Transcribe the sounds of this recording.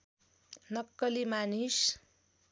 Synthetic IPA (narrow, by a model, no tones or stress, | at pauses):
nʌkːʌlimanis